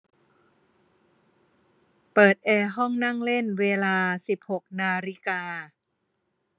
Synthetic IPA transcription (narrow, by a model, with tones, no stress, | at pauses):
pɤː˨˩t̪̚ʔɛː˧ɦɔ˥˩ŋna˥˩ŋle˥˩nweː˧laː˧si˨˩p̚ho˨˩k̚naː˧ɾi˧˥kaː˧